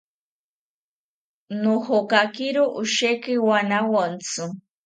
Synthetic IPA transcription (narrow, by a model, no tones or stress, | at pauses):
nohokakiɾuʔuʃekiwanawan̩t͡sʰɨ